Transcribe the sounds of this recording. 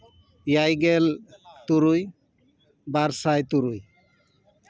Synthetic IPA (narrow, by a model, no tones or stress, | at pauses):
jajɡɛlt̪uɾuj | baɾsajt̪uɾuj